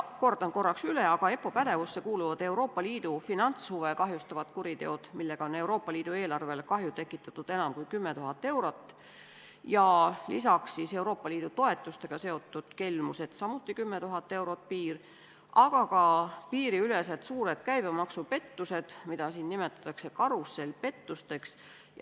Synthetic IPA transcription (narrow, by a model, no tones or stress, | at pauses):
ko̞rd̪ɑnko̞rːɑksyleɑɡ̥ɑe̞pːo̞pæd̪̥e̞vusːe̞kuːluvɑd̪̥e̞wɾo̞ːpːɑliːd̪̥ufinɑnt̪shuvekɑɦjust̪ɑvɑt̪kuɾit̪e̞o̞d̪̥milːeɡ̥ɑo̞ne̞uwɾo̞ːpːˑɑliːd̪̥ue̞ːlɑrve̞lkɑɦjut̪e̞kːˑit̪ːˑɑt̪ːud̪̥enɑmkujkymːet̪uɦɑt̪ˑːe̞wɾo̞t̪ːˑ | jɑlḭsɑksːiːse̞wɾo̞ːpːˑɑliːd̪̥ut̪o̞e̞t̪ːˑust̪e̞ɡ̥ɑse̞o̞t̪ːˑud̪̥ke̞lmuse̞d̪̥sɑmut̪ːˑikymːet̪uɦɑt̪ːe̞wɾo̞t̪̚piːr | ʔɑɡ̥ɑkɑpiːɾiyle̞set̪suːɾe̞d̪̥kæjb̥emɑksupe̞t̪ːuse̞d̪̥mid̪̥ɑsiːnːime̞t̪ːˑɑ̥t̪ːˑɑkse̞kɑɾusːe̞lpe̞t̪ːust̪e̞ks